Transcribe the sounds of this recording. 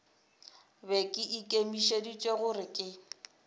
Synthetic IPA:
bɛkʼɪʔikʼemiʃedit͡ʃʼweɣʊrɪkʼɪ

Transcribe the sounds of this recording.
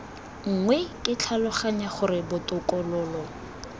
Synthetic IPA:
ŋ̩ŋwɛkʼɪt͡ɬʰalʊχaɲaχʊɾɪbʊtʼʊkʼɔlɔːlɔ

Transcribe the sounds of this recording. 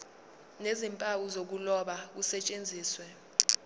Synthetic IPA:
nezimpʼawuzok̬ulɔɓak̬usɛt͡ʃʼend͡zʱiːswɛ

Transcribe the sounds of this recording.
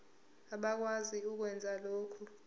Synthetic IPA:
aɓak̬waziuk̬wɛnd͡zʱaloːkʰu

